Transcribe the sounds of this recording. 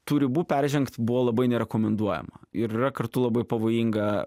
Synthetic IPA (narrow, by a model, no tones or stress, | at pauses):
t̪uːɾʲɪbuːpʲɛɾʲʒʲɛŋkt̪bʊʋoːlˠɐbɐɪnʲɛɾʲɛkoːmʲɛnd̪uɔjɛ̰mɐɪɾirɐkɐɾt̪ʊlˠɐbɐɪpɐʋoːjiŋɡɐ